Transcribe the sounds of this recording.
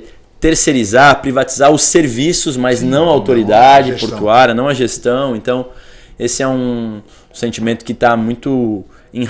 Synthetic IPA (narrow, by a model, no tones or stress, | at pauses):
t̪eɾseɾizapɾivat͡ʃizaɾʊseɾvisʊzmaznɐ̃w̃ɐawt̪oɾid̪ad͡ʒɪpoɾt̪uaɾjɐnɐ̃w̃ɐʒest̪ɐ̃w̃ẽnt̪ɐ̃w̃esɪɛũ | sẽnt͡ʃimẽnt̪ʊ̥kɪt̪amũj̃t̪ʊ | ẽ